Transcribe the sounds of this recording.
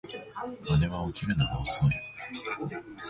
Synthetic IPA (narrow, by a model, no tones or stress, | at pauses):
ad̪e̞βaokʲiɾɯ̟naɡaosoi